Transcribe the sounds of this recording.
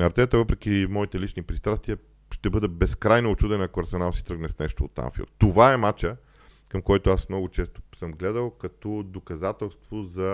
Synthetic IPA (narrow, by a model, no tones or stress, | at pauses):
nɐɐɾt̪sɛt̪əvɤpɾɛk̟imɔit̪ɛlit͡ʃnipɾist̪ɾast̪viə | ʃt̪ɛbɤd̪ɛbɛskɾajnoːt͡ʃud̪ɛnɐkoɐɾsɛnalˠsi̥t̪ɾəɡnɛsnɛʃt̪o̰ːt̪ːa̰nfḭo̰t̪ːovaɛmat͡ʃə | kɐmkɔjt̪oasmnɔɡʊt͡ʃɛst̪o̥səmɡlɛd̪əlˠkɐt̪ɔd̪okɐzat̪ɛlˠst̪vozɐ